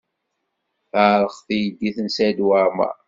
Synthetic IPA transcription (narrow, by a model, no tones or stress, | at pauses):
θaʕɾˤəχθijəd̪ːiθənsæd̪waɾmæ̰